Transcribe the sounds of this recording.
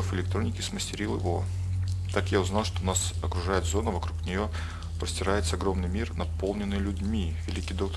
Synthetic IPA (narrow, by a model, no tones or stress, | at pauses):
əfɪlʲɪk̚t̪ɾo̞nʲɪkʲɪsməsʲtʲɪɾʲilˠjɪ̰vo̞ | t̪akjaʊznɑlˠʂt̪onasɐkɾʊʐajɪt̪zo̞nəvɐkɾuknʲɪjo̞ | pɾəsʲtʲɪɾajɪt̪səɐɡɾo̞mnɨjmʲirnɐpo̞lˠnʲɪnːɨjlʲʊdʲmʲivʲɪlʲikʲijd̪o̞kt̪